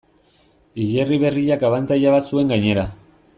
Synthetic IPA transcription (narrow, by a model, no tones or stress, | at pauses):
iʎeriβe̞riʎakaβant̪aʎaβasue̞ŋɡajɲe̞ɾa